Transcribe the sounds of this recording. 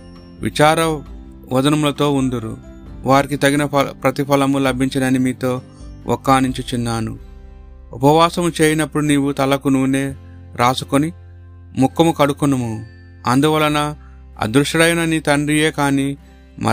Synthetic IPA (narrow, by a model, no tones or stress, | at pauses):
ʋʔḭt͡ʃaːɾɐ | ʋɐd̪ɐnɐmulɐt̪o̞ːund̪uɾṵ | ʋaːɾikit̪ɐɡinɐpɾɐt̪ipʰɐlɐmulɐbʱiɲt͡ʃɐnɐnimiːt̪o̞ː | ʔɔ̰kːaːniɲt͡ʃit͡ʃinːaːnṵ | upɐʋaːsɐmut͡ʃe̞ːjinɐpːuɽuniːwut̪ɐlːɐkunuːne̞ː | ɾʔaːsu̥koni | mukːɐmukɐɽukunɐmu | ɐ̰nd̪uʋɐlɐnɐ | ɐ̰d̪ɾuʂɐɽɐjɐnɐnit̪ɐɳɖije̞ːkaːniː | mʔɐ̰